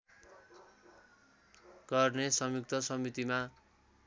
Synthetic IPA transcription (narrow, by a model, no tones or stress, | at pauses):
ɡ̥ʌrnesʌmjuk̚t̪ʌsʌmit̪ima